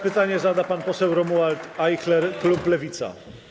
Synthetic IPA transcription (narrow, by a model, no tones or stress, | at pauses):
pɘt̪aɲɛzad̪apanpɔsɛwɾɔmualt̪ajxlɛɾkluplɛvʲit̪sa̰